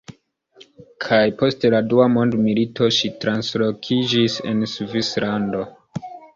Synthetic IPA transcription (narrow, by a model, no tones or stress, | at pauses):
kʰajpo̞steladuamo̞ndmilito̞ʃitɾanslo̞kʰid͡ʒise̞̰nsuvislando̞